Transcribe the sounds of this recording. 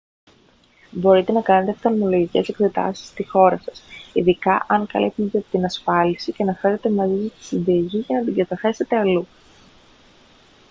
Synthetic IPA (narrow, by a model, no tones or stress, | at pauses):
bo̞ɾit̪e̞nɐkɐne̞t̪esɐnomolo̞ʝice̞se̞kse̞t̪ɐ̰si̥st̪ixo̞ɾɐsɐsiðikɐʔɐŋkɐ̰lḭt̪it̪ett̪inɐsfɐlisiceɐnɐfe̞ɾe̞t̪e̞mɐzisist̪i̥sinðɐʝiʝɐnɐd̪iɡɐt̪ɐθe̞se̞t̪e̞ɐlu